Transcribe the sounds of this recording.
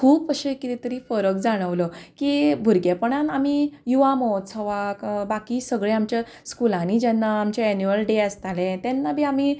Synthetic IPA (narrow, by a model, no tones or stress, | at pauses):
kʰuːpəɕekit̪it̪əɾiːfəɾəkd͡zaɽ̃əʋləkibʱuɾɡepəɽ̃anamijuʋamɔt̪t͡sʰəʋakbakiːsəɡɭẽamt͡ɕa | skulãnid͡ʑɛnːaːmt͡ɕeːnjuəlɖeəst̪alẽt̪ɛnːabʱiːami